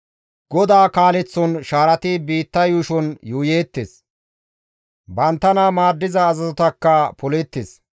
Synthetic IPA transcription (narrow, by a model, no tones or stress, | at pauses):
ɡ̥ɔd̪aːkaːlɛt͡sːɔnʃaːɾɐt̪ɪbiːt̪ːɐjuːʃɔnjuːjeːt̪ːɪs | bɐnt̪ːɐnɐmaːd̪ːɪzɐːzɐzɔt̪ɐkːɐpɔlɛt̪ːɪs